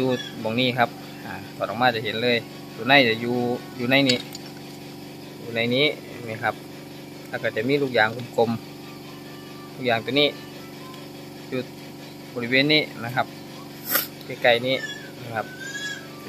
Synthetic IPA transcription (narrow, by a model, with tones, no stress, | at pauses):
juː˧bɔː˨˩ŋniː˧˥˨kʰa˧p̚ | aː˨˩t̪ʰɔː˨˩tʔɔ˨maː˧˥˩t͡ɕa˧˩ɦe˨˦nlɤː˧˥˨j | t̪u˧na˧˥˨jt͡ɕa˨˧˩juː˧juː˧na˧˥˨jniː˧˩ | juː˧˩na˧˩jniː˧˥˨ma˧˩˨kʰa˧˥p̚ | lɛː˧˩ka˧˩t͡ɕa˨˧˩miː˧˥t̪ʰuː˧˩k̚jaː˨˩ŋkʰu˧˨mkʰo˧m | t̪ʰuː˧˩k̚jaː˨ŋt̪u˧˦niː˧˥˨ | juː˧˩ | bɔ˨˧˨li˧weː˧˨nːiː˧˥˨na˧˩kʰa˧˥p̚ | ka˧˩ka˧˩jniː˧˩˨ | ma˧˩kʰa˧p̚